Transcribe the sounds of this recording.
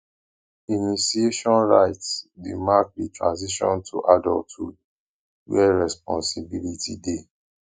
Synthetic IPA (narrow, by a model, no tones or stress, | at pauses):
inisieʃɔ̃nɹaɪtsdḭmak̚ditɹã̰nz̬iʃɔ̰̃ntʰṵʔadɔltud̚ | wɛɹɛspɔ̃nsibilitide